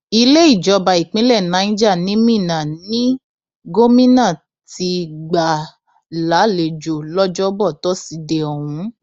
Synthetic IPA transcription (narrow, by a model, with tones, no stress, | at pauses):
i˧le˦i˦˨d͡ʒɔ˧ba˨i˨k͡pĩ˨˦lɛ˦˨nã˨˦ĩ˦d͡ʒa˦˨nĩ˨˦mĩ˦˨nã˨nĩ˦ | ɡo˦mĩ˦nã˦˨ | ti˧ɡ͡ba˨ | la˨˦le˨d͡ʒo˨lɔ˦d͡ʒɔ˦bɔ˦˨tɔ˦si˨˧de˨ɔ˨hũ˨˦